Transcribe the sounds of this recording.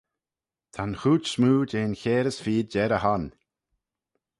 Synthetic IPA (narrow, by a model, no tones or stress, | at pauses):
t̪ʰanxuːt͡ʃsmuːd͡ʒeːnçeːɾəsfiːd̚d͡ʒɛɾəhan